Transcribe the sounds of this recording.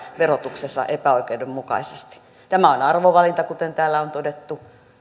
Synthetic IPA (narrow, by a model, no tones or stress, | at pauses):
ʋerot̪uksesːɑ̰ʔepæoikeudemmukɑ̰isest̪i̥ | t̪æmæonɑrʋoʋɑlint̪ɑkut̪ent̪æːlːæont̪odet̪ːu